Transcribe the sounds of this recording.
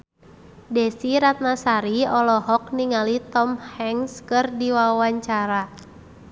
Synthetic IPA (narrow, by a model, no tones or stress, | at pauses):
dɛsiɾat̪̚nasaɾiɔlɔɦɔk̚niŋalit̪ɔmhɛŋskɨrdiwawaɲt͡ʃaɾa